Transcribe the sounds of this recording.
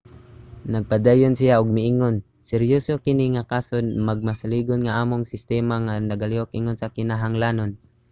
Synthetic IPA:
naɡ̚pad̪aːjʊnsijaʔʊɡ̚mɪʔiŋon | sɛɾjosokɪniŋakaːsonmaɡ̚masaliːɡonŋaaːmʊŋsɪst̪ɛːmaŋanaɡaliok̚ʔiŋonsakɪnaɦaŋlaːnon

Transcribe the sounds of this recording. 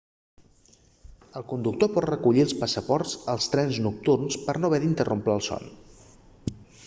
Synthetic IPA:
əlˠkund̪uk̚t̪opɔt̪rəkuʎiəlˠspəsəpɔɾzəlˠst̪ɾɛnznuk̚t̪urnspəɾnoβɛðint̪ərʔompləlˠsɔ̰n

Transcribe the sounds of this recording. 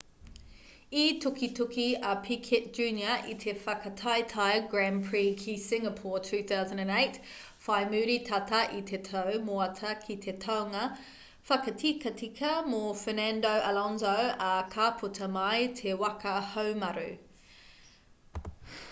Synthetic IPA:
itʰukʰitʰukiɐpʰikʰet̚dd͡ʒ̥ʉːnjɐitʰefɐkɐtʰaɪtʰaɪɡɹænpʰɹikʰisɪŋəpʰɔːtʰʉːθawzə̃ndə̃neɪt | faɪmʉːɾitʰɐtʰɐʔitʰetʰɐwmoɐtʰɐkʰitʰetʰawŋɐ | fɐkɐtʰikʰɐtʰikʰɐmofɛnandowʔɐlɔnzowɐkʰaːpʰutʰɐmajtʰewɐkʰɐhowmɐɾʉ̰

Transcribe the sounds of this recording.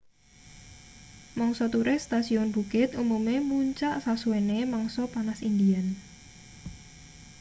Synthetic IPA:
mɔŋsɔt̪uɾest̪asiɔnbukɪt̪umumemuɲt͡ʃaʔsasuenemɔŋsɔpanasind̪ian

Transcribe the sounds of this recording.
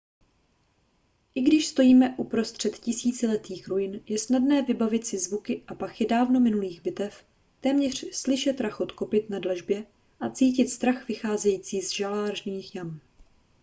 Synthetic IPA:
ʔɪɡdɪʃst̪o̞jiːmɛʔupɾo̞st̪r̝̥ɛt̪cɪsiːt͡sɪlɛt̪iːxɾujɪnjɛsnadnɛːvɪbavɪt̪sɪzvukɪʔapaxɪdaːvno̞mɪnuliːɣbɪt̪ɛf | t̪ɛːmɲɛr̝̥slɪʃɛt̪ɾaxot̪ko̞pɪt̪nadlɛʒbjɛ | ʔat͡siːcɪt̪st̪ɾaxvɪxaːzɛjiːt͡siːzʒalaːʒniːxjam

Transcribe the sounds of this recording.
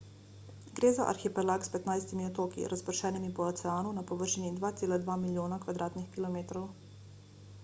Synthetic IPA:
ɡɾeːzaʔa̰ɾxipɛlaːkspɛt̪najst̪imiɔt̪oːkḭɾʔaspəɾʃɛːnimipɔːt̪sɛaːnunapɔʋəɾʃinid̪ʋaːt̪seːlad̪ʋaːmiljoːnakʋad̪ɾaːt̪nixkilɔmeːt̪ɾɔw

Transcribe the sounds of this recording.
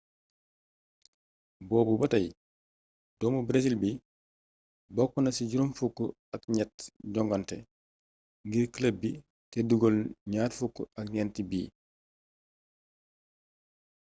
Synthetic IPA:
bɔːbubatɐj | d̥ɔːmubɾesilbi | bɔkːunɐsiɟuɾumfukːṵ | akɲɛtɟɔŋɡɔntɛ | ŋɡiɾkələbi | teduɡɔlɲaːɾfukːṵakɲɛntibḭː

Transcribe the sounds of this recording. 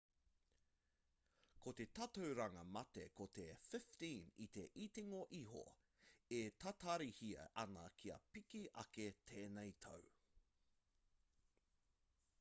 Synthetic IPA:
kʰot̪e̞tɐt̪ɐwɾɐŋɐmɐt̪ekot̪efɪft̪ĩːnḭt̪e̞ʔit̪iŋoʔiɦo̰ | et̪ʰɐt̪ɐɾihiɐ̰ʔɐnɐkʰiɐ̰pikiʔɐ̰ket̪ʰeːnɛjt̪ʰɐ̰w

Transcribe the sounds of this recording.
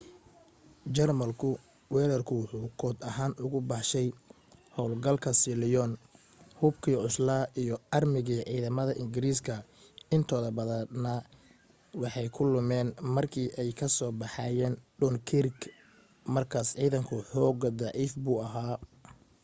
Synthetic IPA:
d͡ʒɛrmɐlkʰʊ | wɛːɾɐrkʰʊwʊħuːkʰɔːd̪ɐɦaːnʔʊɣʊbɑħʃɛj | hɔwlɡɐlkʰɐsɪlɪjɔn | hʊbkʰiːʕʊslaːʔijɔɐrmɪɣiːʕiːðɐmɐðɐʔɪŋɡɪɾiːskʰɐ | ɪnt̪ʰɔːðɐbɐðɐnɐ | wɑħɑjkʰʊlʊmɛːnmɐrkʰiːʔɛjkʰɐsɔːbɑħɑːjɛːnɖɔnkʰɪrk | mɐrkʰaːsʕiːðɐŋkʰʊħɔːɡɐd̪ɑʕiːfbuːɐɦaː

